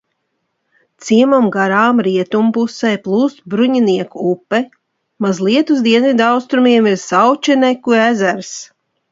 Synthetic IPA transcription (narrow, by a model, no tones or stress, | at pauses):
t̪siɛmamɡaɾaːmɾiɛt̪umpusɛjplˠuːst̪̚bɾuɲiniɛkuupːɛ | mazlˠiɛt̪uzd̪iɛnvid̪awst̪ɾumiɛmiɾsawt͡ʃɛnɛkuæzæɾs